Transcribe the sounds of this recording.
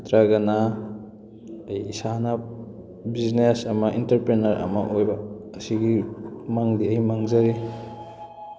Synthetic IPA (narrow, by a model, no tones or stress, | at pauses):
tɾaɡana | jsana | biznesɐmɐʔintɐɾpɾenɐɾɐ̰mɐʔojbaːsiɡimaŋdiɐjmaŋzaɾi